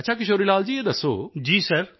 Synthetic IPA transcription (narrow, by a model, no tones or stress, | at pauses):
ətːʃʰaːk̬ɪʃoːɾiːlaːld͡ʒiːeːd̪əsːo̰ːd͡ʒiːsəɾ